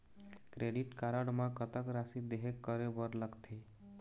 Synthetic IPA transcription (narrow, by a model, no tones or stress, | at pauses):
kɾeɖiʈkaɾəɽmãkət̪əkɾasid̪eɦekːəɾebəɾləɡt̪ʰe